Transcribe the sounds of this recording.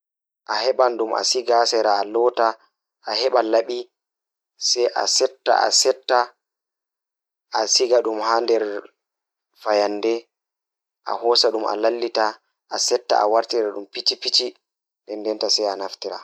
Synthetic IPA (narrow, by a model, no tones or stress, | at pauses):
ʔahɛɓanɗuma̰siɡasɛɾaːlɔːta | ʔahɛɓalaɓi | sɛjʔa̰sɛtːa̰ʔa̰sɛtːa | ʔasiɡaɗumhaːndɛɾ | fajandɛ | ʔa̰hɔsaɗumʔa̰lalːita | ʔasɛtːa̰ʔa̰waɾtiɾaɗumpit͡ʃipit͡ʃi | ɗɛndɛntasɛjanaftiɾa̰